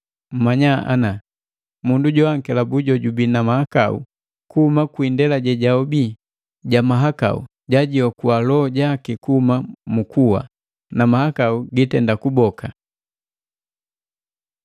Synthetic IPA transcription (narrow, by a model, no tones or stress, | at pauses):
m̩maɲaa̰na | munduɟɔaŋ̩kɛlabuɟɔɟubinamahaka̰ṵ | kuhumakwindɛlaɟɛɟaɔbi | ɟamaɦaka̰ṵ | ɟaɟiɔkuwalɔɟakikuhumamukuwa̰ | namahakauɡitɛndakubɔka